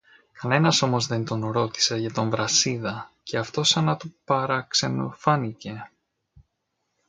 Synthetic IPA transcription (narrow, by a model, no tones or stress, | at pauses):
kɐne̞nɐso̞mo̞zðe̞nt̪o̞nɾo̞t̪i̥se̞ʝɐt̪o̞ɱvɾɐsiðɐce̞ɐft̪o̞sɐnɐt̪upɐɾɐkse̞no̰fɐnice̞